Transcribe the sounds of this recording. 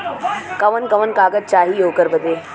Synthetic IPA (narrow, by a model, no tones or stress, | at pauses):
kəʋənkəʋənkaːɡət̪̚t͡ʃaːɦiːjokəɾbəd̪e